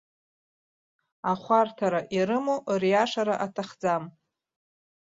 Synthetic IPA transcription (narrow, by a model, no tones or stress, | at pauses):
aχʷartʰaɾaʔiɾɨmorijaʂaɾaʔatʰaχd͡zam